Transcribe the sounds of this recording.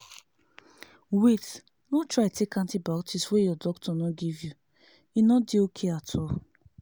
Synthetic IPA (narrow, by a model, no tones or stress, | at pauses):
wit | nõtɹaɪtʰekãntibatʰiswejɔdɔktʰɔnõɡivju | inɔdiokʰeatʰɔ